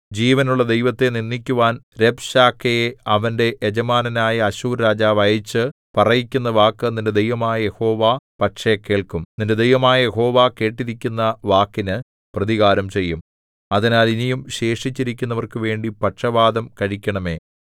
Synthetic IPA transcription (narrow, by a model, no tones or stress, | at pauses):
d͡ʑiːʋɐnuɭːɐd̪e̞jʋɐt̪ːe̞ninːikʲːuʋaːnɾebɕaːkʰːɐjeɐʋɐnde̞ʔed͡ʑɐmaːnɐnaːjɐɐɕuːɾɾaːd͡ʑaːʋɐjit͡ɕːɨ | pɐrɐjikʲːun̪ːɐʋaːkːɨnːinde̞d̪e̞jʋɐmaːjɐje̞ho̞ːʋaːpɐʈʂekːe̞ːɭkumninde̞d̪ejʋɐmaːjɐje̞ho̞ːʋaːke̞ːʈːiɾikʲːunːɐʋaːkːinɨ | prɐðiɣaːɾɐmt͡ɕe̞jːum | ɐðinaːlinijumɕe̞ːʂit͡ɕːiɾikʲːunːɐʋɐrkɨʋe̞ːɳɖipɐʈʂɐbaːd̪ɐmkɐɻikʲːɐɳɐme̞ː